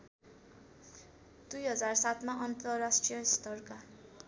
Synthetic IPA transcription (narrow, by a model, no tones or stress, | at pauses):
d̪̥ujɦʌd͡zarsat̪maʔʌnt̪ʌrasʈrijʌst̪ʌrka